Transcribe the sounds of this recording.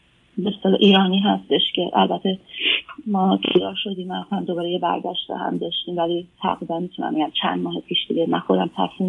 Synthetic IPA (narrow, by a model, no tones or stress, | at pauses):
beest̪elɒːʔiːɾɒːniːɦæst̪e̞ʃcʰe̞ʔælbæt̪ʰe̞ | mɒːt̪ʰid̪ɒːɾʃo̞d̪iːmːænxohæmd̪obɒːɾejebæ̰ɾɟæʃt̪ḛhæ̰md̪ɒːʃt̪iːmvælit̪ʰæ̰ɣɾiːd̪ænmit̪ʰunæ̰mbe̞ɟæmt͡ʃʰæ̰nd̪mɒːhepʰiːʃd̪iɡemænxo̞d̪æmt̪ʰæ̰fsi